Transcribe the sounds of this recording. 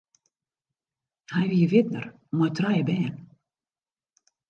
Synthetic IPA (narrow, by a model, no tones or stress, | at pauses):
hajviəvɪt̪nə̰r | mɔjt̪rajəbɛːn